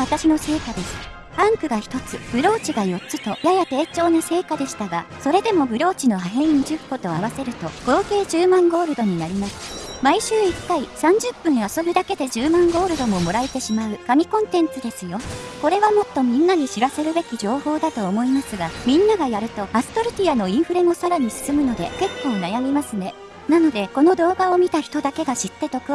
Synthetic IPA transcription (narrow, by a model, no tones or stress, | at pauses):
at̪aɕino̞se̞ːkad̪e̞sɨ̥ | pãŋkɯ̟ɡaçi̥t̪o̞t͡sɨb̥ɯ̟ɾo̞ːt͡ɕiɡajo̞tt͡ɕːɕit̪o̞jajat̪e̞ːt͡ɕo̞ːnose̞ːkad̪e̞ɕi̥t̪aɡaso̞ɾe̞d̪e̞mo̞bɯ̟ɾo̞ːt͡ɕino̞ɦaɦẽ̞ɰɲid͡ʑɨpːo̞t̪o̞aβ̞ase̞ɾɯ̟t̪o̞ɡ̥o̞ːke̞ːʑɨːmãŋɡo̞ːɾɯ̟d̪o̞ɲ̟inaɾʲimasɨ̥maiɕɨːikːaisãɲ̟d͡ʑɨpːɯ̟̃naso̞bid̪ake̞d̪e̞ʑɨːmãŋɡo̞ːɾɯ̟d̪o̞mo̞mo̞ɾait̪e̞ɕimaɯ̟kamʲikõ̞nt̪ẽ̞nt͡sɨd̪e̞sɨjo̞ko̞ɾe̞βamo̞t̪ːo̞mʲĩnːaɲ̟iɕiɾase̞ɾɯ̟be̞kʲiʑo̞ːho̞ːd̪at̪o̞ːmo̞imasɨɡamʲĩnːaɡajaɾɯ̟t̪o̞asɨ̥t̪o̞ɾɯ̟t̪ʲiano̞ĩɰ̃ɸɯ̟ɾẽ̞ŋo̞saɾaɲ̟isɨ̥sɨmɯ̟no̞d̪e̞ke̞kːo̞ːnajamʲimasɨne̞ | nano̞d̪e̞ko̞no̞d̪o̞ːɡao̞mʲit̪açi̥t̪o̞d̪ake̞ɡaɕit̪ːe̞t̪o̞kɯ̟